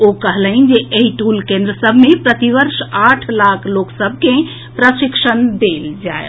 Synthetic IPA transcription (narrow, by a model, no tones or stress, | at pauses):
okəɦlaɦind͡ʒeʔeɦiʈulkẽnd̪ɾəsəbʱmepɾət̪iʋəɾʃaʈʰlakʰloksəb̚ʱke | pɾəsikʃənd̪eld͡ʒae